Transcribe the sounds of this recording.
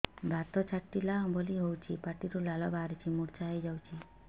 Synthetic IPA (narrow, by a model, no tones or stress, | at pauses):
bat̪ɔt͡ʃʰaʈːilaɔbɔliɦowt͡ʃʰipaʈiɾulalɔbaɾet͡ʃʰimuɾt͡ʃaɦejd͡ʒawt͡ʃʰi